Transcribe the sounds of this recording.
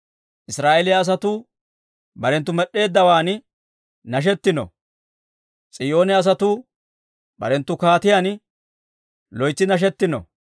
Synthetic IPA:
ʔɪsɾaːʔɛlɪjɐːs̬ɐt̪uː | bɐɾɛnt̪ːʊmɛɗːe̞ːd̪ːɐwaːn | nɐʃ̬ɛt̪ːɪnɔ̰ | t͡sʼɪjo̞ːnɛɐs̬ɐt̪uː | bɐ̰ɾɛnt̪ːʊkaːt̪ɪjan | lɔjt͡sːɪnɐʃ̬ɛt̪ːɪnɔ̰

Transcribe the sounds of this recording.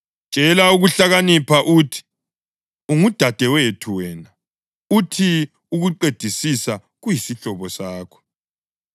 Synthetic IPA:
t͡ʃʼɛlauɣuɬaɣanipʰaʔutʰi̥ | uŋud̥ʱad̥ʱɛwetʰuwɛːna | utʰi | uɣuǃed̥ʱisisa | ɣujisiɬɔβɔsaːkʰɔ̥

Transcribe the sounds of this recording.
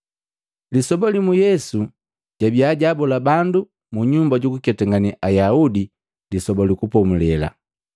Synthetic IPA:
lisɔbalimujɛsu | ɟabjaːɟaːbɔlabandu | muɲumbaɟukukɛtɛŋɡaniʔajaudi | lisɔbalikupɔmulɛla̰

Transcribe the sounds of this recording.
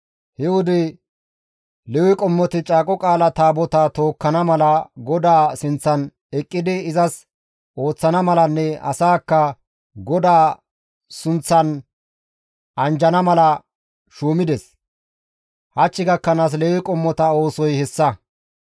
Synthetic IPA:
hɛwʊd̪ɪ | lɛwɪkʼɔmːɔt̪ɪt͡ʃʼaːkʼɔkʼaːlɐt̪aːbɔt̪ɐt̪o̞ːkːɐnɐmɐlɐɡɔd̪aːsɪnt͡sːɐn | ɛkʼːɪd̪ɪɪzɐs | ʔo̞ːt͡sːɐnɐmɐlɐnːɛɐ̰saːkːɐ | ɡɔd̪aː | sʊnt͡sːɐn | ɐnd͡ʒɐnɐmɐlɐ | ʃuːmɪd̪ɛs | hɐt͡ʃːɪɡɐkːɐnaːs̬lɛwɪkʼɔmːɔt̪ɐo̞ːsɔjhɛsːɐ

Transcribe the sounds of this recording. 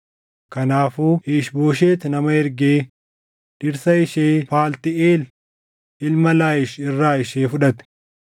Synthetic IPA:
kɐnaːfuːɪʃboːʃ̬eːt̪nɐmɐɛɾɡeː | ᶑɪɾsɐɪʃeːfaːlt̪ɪeːl | ɪlmɐlaːjɪʃɪrːaːɪʃeːfʊᶑɐt̪ɛ̥

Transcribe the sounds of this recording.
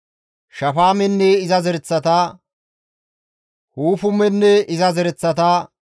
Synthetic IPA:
ʃɐfaːmɛnːɛɪzɐzɛɾɛt͡sːɐt̪aː | huːfʊmɛnːɛɪzɐzɛɾɛt͡sːɐt̪aː

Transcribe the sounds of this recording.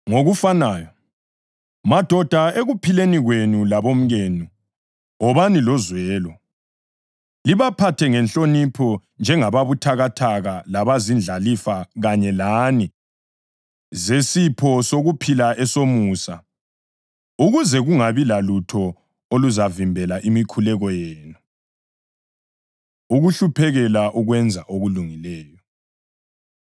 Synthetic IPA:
ŋoɣufanaːjɔ | mad̥ʱɔd̥ʱaeɣupʰileniɣwenulaβom̩ɣeːnu | ɔβanilɔzwɛːlɔ | liβapʰatʰɛŋɛnt͡ɬʼonipʰɔnd͡ʒʱɛŋaβaβutʰaɣatʰaɣalaβazind͡ɮʱalifaɣaɲɛlaːni | zesipʰɔsoɣupʰilaʔɛsomusa̰ | uɣuzɛɣuŋaβilalutʰɔ | oluzavimbʱɛlaʔimikʰulɛɣɔjeːnu | uɣuɬupʰɛɣɛlaʔuɣwɛnd͡zʱaʔoɣuluŋilɛːjɔ

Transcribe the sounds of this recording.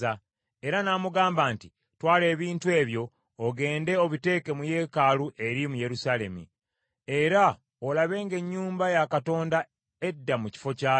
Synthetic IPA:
a | e̞ɾanaːmuɡaːmbaːnti | twaːle̞ːβiːntue̞ːβjo̞ː | ɡe̞ːnde̞o̞βite̞ːke̞muje̞ːkaluʔe̞ɾimuje̞ɾusaːle̞mḭ | e̞ɾa | olaβe̞ːŋɡe̞ɲːuːmbajakato̞ːnda | edːamuci̥fo̞caː

